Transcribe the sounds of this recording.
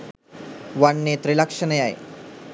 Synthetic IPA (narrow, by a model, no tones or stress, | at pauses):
ʋaɳːet̪ɾilakʂənəjaḛ